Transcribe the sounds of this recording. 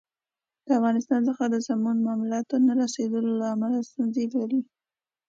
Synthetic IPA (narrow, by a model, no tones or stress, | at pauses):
d̪̥əafɣɑnɪst̪ɑnzəxad̪əzamunmamulɑt̪onaɾased̪əlolaːmalast̪unzelaɾi